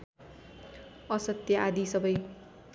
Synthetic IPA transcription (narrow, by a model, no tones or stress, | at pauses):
ʌsʌt̪jʌʔad̪isʌbʌj